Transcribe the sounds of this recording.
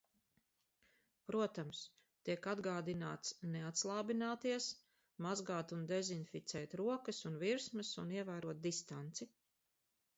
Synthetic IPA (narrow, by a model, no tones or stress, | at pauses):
pɾuɔt̪ams | t̪iɛkad̪ɡaːd̪inaːt̪sneat̪slˠaːbinaːt̪iɛs | mazɡaːt̪und̪ezinfit̪sɛːt̪ɾuɔkɐsunviɾsmɐsuniɛvæːɾuɔt̪̚d̪ist̪ant̪si